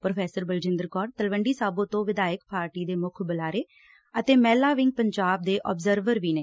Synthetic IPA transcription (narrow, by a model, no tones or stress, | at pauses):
pɾoːpʰɛːsəɾbəld͡ʒɪ̃nd̪əɾkɔːɾt̪əlʋəɳɖiːsaːbõːt̪õːʋɪd̪aːjɪəkpaːɾʈiːd̪eːmʊkʰbəlaːɾeː | ət̪eːmɛːlaːʋɪŋɡ̚pəɲd͡ʒaːb̚d̪eːʔɔ̰ːbzəɾʋəɾʋiːneː